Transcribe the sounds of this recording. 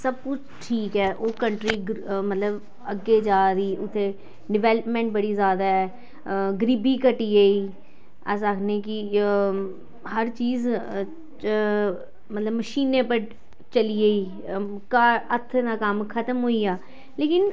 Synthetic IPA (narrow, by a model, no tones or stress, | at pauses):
səb̚kʊt͡ʃʰʈʰiːkɦɛːʔoːkəɳʈɾiːɡmət̪ləb | əɡːeːd͡ʒaːɾiːʊt̪ʰːeː | ɖɪʋɛːləpmɛ̃ːɳʈ̚bəɽiːzjaːd̪aːɦɛː | ɡəɾiːbiːkəʈiːeiː | ɛ̰ːsəkʰnẽːki | ɦəɾt͡ʃiːz | mət̪ləbːəʃiːnẽːpəɾ | t͡ʃəlieiː | kaːɾət̪ʰːd̪aːkəmkʰət̪əmɦoːiːaː | leːkɪn